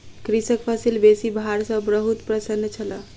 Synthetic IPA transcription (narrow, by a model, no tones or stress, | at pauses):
kɾisəkpʰəsilbesibʱaɾsə̃bɾəɦut̪pɾəsənːət͡ʃʰələ